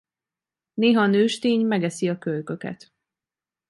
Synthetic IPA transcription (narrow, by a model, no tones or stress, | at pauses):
neːɦɒnøːʃt̪eːɲmɛɡɛsiɒkølkø̞kɛ̰t̪